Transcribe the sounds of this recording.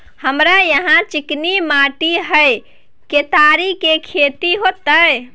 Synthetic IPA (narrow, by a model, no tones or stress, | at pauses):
həmɾajəɦãt͡ʃiknimaʈiɦəj | ket̪aɾikekʰet̪iɦot̪ːəe